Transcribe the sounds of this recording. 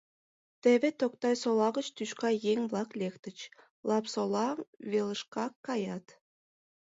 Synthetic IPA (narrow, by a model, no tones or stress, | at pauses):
t̪eβet̪ok̚t̪ɑjsolˠɑɣət͡ɕt̪yʃkɑjeŋblˠɑklʲekt̪ə̆t͡ɕ | lˠɑpsolˠɑβelə̆ʃkɑkːɑjɑt̪